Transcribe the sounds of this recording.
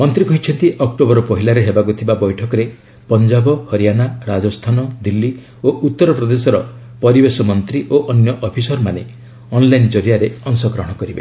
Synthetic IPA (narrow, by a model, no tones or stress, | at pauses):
mɔnt̪ɾikɔɦit͡ʃʰɔnt̪iʔɔk̚ʈobɔɾɔpɔɦilaɾeɦebakut̪ʰibabɔjʈʰɔkɔɾe | pɔnd͡ʒabɔhɔɾijanaɾad͡ʒɔst̪ʰanɔd̪ilːi | oʔut̪ːɔɾɔpɾɔd̪esɔɾɔ | pɔɾibesɔmɔnt̪ɾiʔoʔɔnjɔʔɔpʰisɔɾmane | ɔnlajnd͡ʒɔɾijaɾeɔŋsɔkɾɔɦɽ̃ɔkɔɾibḛ